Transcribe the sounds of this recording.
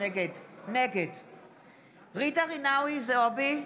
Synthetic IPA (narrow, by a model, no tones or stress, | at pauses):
eɡedneɡed | ʁidaʁinawizeobi